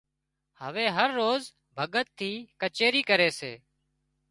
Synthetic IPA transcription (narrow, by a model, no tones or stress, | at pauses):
həʋeːɦəɾːoːz | bʱəɠət̪ʰːiːkət͡ʃeːɾiːkəɾeːsḛː